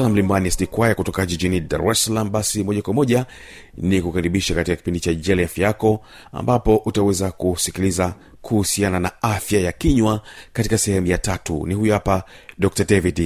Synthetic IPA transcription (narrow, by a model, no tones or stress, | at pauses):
lam̩limbanisnikwajakutɔkaʄid͡ʒinida̰ɾɛsalamɓasimɔʄakwamɔʄa | nikukaɾiɓiʃakatikaki̥pindit͡ʃad͡ʒɛlɛafiakɔ | a̰mbapɔʔutawɛzakusikiliza | kʰuhusiananaafjajakiɲwakatikasɛhɛmujatatṵnihujuhapa | ɗɔk̚tadɛvid